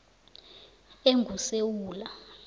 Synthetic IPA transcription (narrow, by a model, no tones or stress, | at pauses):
eŋɡʱusewuːla